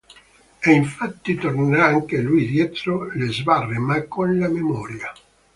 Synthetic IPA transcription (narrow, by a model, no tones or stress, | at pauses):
ɛiɱfat̪ːit̪orneɾaaŋkelujd̪jɛt̪ɾolezbarːemakːonlamemɔːɾja